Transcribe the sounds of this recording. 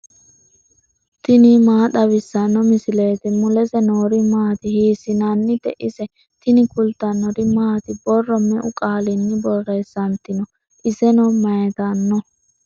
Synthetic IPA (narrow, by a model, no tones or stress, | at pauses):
t̪ɪnimaːd̪ɐβɪsːɐnːɔmɪsɪle̞ːt̪ɛmʊlɛzɛnoːɾɪmaːt̪ɪhiːsːɪnanːɪd̪ɛʔɪsɛ | t̪ɪnɪkʊlt̪ɐnɔɾɪmaːt̪ɪbɔrːɔmːɛʔʊkʼaːlɪnːɪbɔrːeːsːɐnt̪ɪnɔ | ʔɪsɛnɔmɐjɛt̪ɐnːɔ